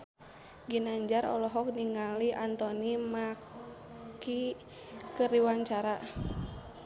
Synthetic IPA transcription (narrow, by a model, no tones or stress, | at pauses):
ɡinaɲd͡ʒaɾɔ̰lɔɦɔk̚niŋaliʔant̪ɔnima | ki | kəɾiwaɲt͡ʃaɾa